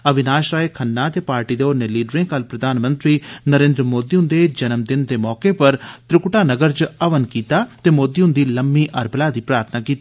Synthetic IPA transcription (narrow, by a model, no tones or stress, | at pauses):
əʋɪnaːʃɾaːeːkʰənːãːt̪eːpaːɾʈiːd̪eːoːneːliːɖɾẽːkəlpɾəd̪aːnmə̃nt̪ɾiːnəɾẽːnd̪ɾmoːd̪iːɦʊ̃nd̪eːd͡ʒənəmd̪ɪnd̪eːmɔːkeːpəɾt̪ɾɪkʈaːnəɡəɾt͡ʃəʋənkiːt̪aːt̪eːmoːd̪iːɦʊ̃nd̪iːləmːiːʔəɾbəlaːd̪iːpɾaːɾt̪ʰnaːkiːt̪i